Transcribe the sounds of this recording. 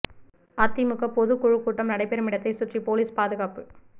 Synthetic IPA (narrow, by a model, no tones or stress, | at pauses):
ɐt̪ːimʊɣɐpɔðɯkːɔɻɯkːuːʈːɐmnɐɽɐɪpːɛɾɐmɪɽɐt̪ːɐɪsʊʈripoːliːspaːðɯɣaːpɯ